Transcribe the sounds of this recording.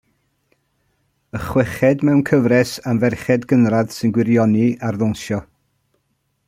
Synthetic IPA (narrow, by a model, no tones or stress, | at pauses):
əχwɛχɛdmɛwnkʰəvrɛsamvɛrχɛdɡənrad̥sɨnɡwɪɾjɔniarðʊnʃjɔ